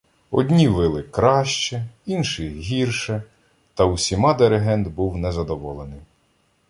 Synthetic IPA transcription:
ɔ̰dʲnʲiʋɪlˠɪkɾɑʃt͡ʃɛinʃɪɦʲirʃɛ | t̪ɐusʲimɑd̪eɾeɦɛnd̪buwnɛzɐd̪ɔʋɔlˠenɪj

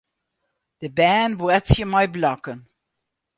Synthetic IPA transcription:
ðəbænbɛtsjəmaɪblɑkə̃n

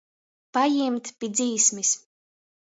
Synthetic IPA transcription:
pajimt̪pʲid̪ziːsmis

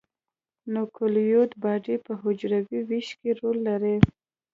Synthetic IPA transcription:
nʊkʰʊljot̪bɑɖipəɦʊd͡ʒɾawiwiʃkeɾolːaɾe

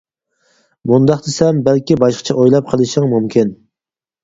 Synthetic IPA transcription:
mund̪ɑχt̪ɪsɛmbælkʲibɑʃqʰɑ̥t͡ʃʰɛʔojlˠɑp̚qʰəlˠɨʃɪŋmumkʲʰin

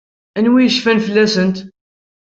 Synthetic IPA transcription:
ænwijəʃfænfəlːæsənt̪

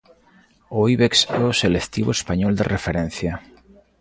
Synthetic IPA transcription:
oiβeksɛoselekt̪iβoespaɲɔld̪erʔefeɾen̟θja

